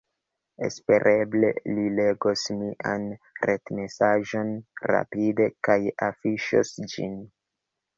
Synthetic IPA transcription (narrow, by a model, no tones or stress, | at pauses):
e̞̰spe̞ɾʔe̞ble̞̰lile̞ɡosmiʔanɾe̞tme̞saʒo̞nɾa̰pide̞kajafiʃo̰sd͡ʒḭn